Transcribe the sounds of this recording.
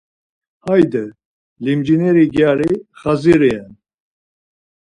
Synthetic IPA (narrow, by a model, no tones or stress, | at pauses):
hajd̪ɛ | limd͡ʒinɛɾiɡjaɾiχaziɾɛjɛn